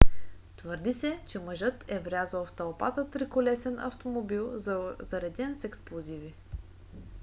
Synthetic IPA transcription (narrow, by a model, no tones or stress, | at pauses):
t̪vɤɾd̪isɛt͡ʃɛməʒɤt̪ɛvɾʲazəlˠft̪ɐlˠpat̪ət̪ɾikolɛsɛnɐ̰ft̪omobilˠzɐɾɛd̪ɛnsɛksplˠozivi